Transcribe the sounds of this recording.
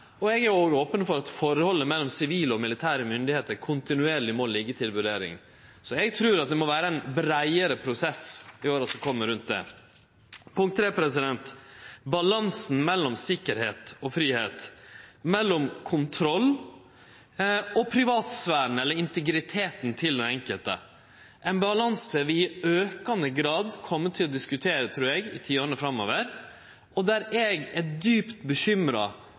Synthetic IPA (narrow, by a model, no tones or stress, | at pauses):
ɔɛɡæɾoːɡoːpənfɔɾɑt̪fɔɾhɔlːəmɛlːɔmsɪʋiːləɔmɪlɪt̪ʰæːɾəmʏnd̪ɪheːt̪əɾkʰʊnt̪ɪnʉeːɾɭɪmoːlːɪɡət̪ʰɪlʋʉɾeːɾɪ̰ŋ | sɔɛɡt̪ʰɾʉːɾɑt̪̚d̪ɛmɔʋæːɾəɛnbɾæɪəɾəpʰɾʊsɛsɪoːɾɑt̪sɔkʰɔmːəɾʉnt̪̚d̪ɛ̰ | pʰʊŋkt̪ːʰɾeːpʰɾɛsɪd̪ɛnt̪bɑlɑnsn̩mɛlːɔmsɪkːəɾheːt̪ɔfɾiːheːt̪mɛlːɔmkʰʊnt̪ʰɾɔlː | ɔpʰɾɪʋɑːt̪sʋæːɾn̩ɛlːəɾɪnt̪ɛɡɾɪt̪ʰeːt̪nt̪ʰɪld̪ɛnɛŋkəlt̪ə̰ | ʔɛnbɑlɑnsəʋɪɪøːkɑnəɡɾɑːd̪kʰɔmːət̪ʰɪlːɔd̪ɪskʉt̪ʰeːɾət̪ʰɾʉːɾɛɡɪ̰t̪ʰiːonəfɾɑmoːʋəɾ | ɔd̪æɾɛːɡɛt̪̚d̪yːpt̪bəçʏmɾɑ̰